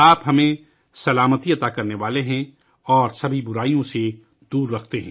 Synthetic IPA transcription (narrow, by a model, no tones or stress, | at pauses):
aːpɦɐmẽ | sɐlaːmət̪iɐt̪akɐɾneʋaːleɦɛ̃ | ɔːɾsɐbʱibʊɾaːijõse | d̪uːɾːɐkʰt̪eɦɛ̰̃